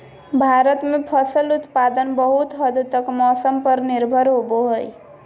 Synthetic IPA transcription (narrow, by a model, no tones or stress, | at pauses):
bʱaɾət̪mepʰəsəlut̪pad̪ənbəɦut̪ɦəd̪t̪əkmɔsəmpəɾniɾbʱəɾɦoboɦəj